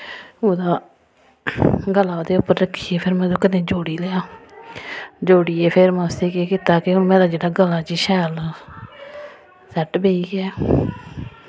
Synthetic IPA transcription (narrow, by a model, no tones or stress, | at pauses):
oːd̪aː | ɡəlaːd̪eːʊpːəɾəkʰːiːeːpʰɪɾmɛ̃ːd̪oːkɪd̪ẽːd͡ʒoːɽiːleaː | d͡ʒoːɽiːeːpʰɪɾmãːst̪eːkeːkɪt̪aːkeʊnmɛ̃ːd̪aːd͡ʒeːɽaːɡəlːãːt͡ʃiːʃɛːl | sɛʈbeːiːɡɛː